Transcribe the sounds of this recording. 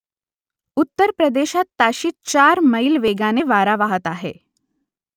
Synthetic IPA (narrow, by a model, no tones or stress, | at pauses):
ut̪ːəɾpɾəd̪eɕat̪ːaɕiːt͡ɕaɾməilʋeɡaneʋaɾaʋaɦət̪aɦḛ